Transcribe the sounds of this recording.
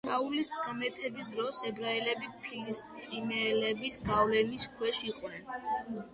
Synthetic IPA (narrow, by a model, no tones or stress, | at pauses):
ʃʰaulisɡmɛpʰɛbisd̪ɾɔsɛbɾailɛbipʰilist̪t̪ʼimɛlɛbisɡavlɛmiskʰwɛʃiqʼwnɛn